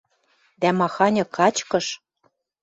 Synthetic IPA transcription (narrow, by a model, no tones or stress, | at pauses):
d̪æmɑxɑnʲɤ̆kɑt͡ɕkɤ̆ʃ